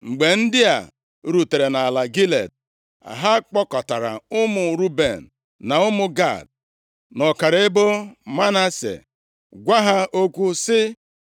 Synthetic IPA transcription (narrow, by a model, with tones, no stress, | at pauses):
ŋ͡m̩˨ɡ͡be˨n̩˦dɪ˦a̰˨ | ɾu˨te˨ɾe˨na˨a˨la˨ɡi˦lḛ˨d̚ | a̰˨ɦa˦k͡pɔ˦kɔ˨ta˨ɾa̰˨ʊ˦mʊ˨ɾu˦be˨n̩˨ | na˨ʊ˦mʊ˨ɡa̰˦˨d̚ | nɔ˨ka˨ɾɪ˨˦ɪ˦bʊ˦ma˦na˦sḛ˨ | ɡʷa˦ɦa˦ʔo˦kʷu˦sɪ˦